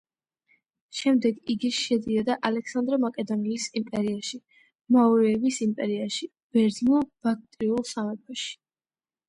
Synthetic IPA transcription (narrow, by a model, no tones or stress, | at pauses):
ʃɛmd̪ɛɡiɡiʃɛd̪iad̪aʔalɛksand̪ɾɔmakʼɛd̪anilisimpʼɛɾiaʃi | mauɾɛːbisimpʼɛɾiaʃi | b̥ɛɾd̪znulb̥ak̚ʰt̪ʼɾiulˠsamɛpʰɛʃi̥